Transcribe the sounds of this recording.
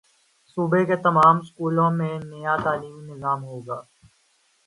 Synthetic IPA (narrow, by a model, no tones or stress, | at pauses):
suːbeket̪ɐmaːmskuːlõmẽnejat̪aːliːmnɪzaːmɦoːɡaː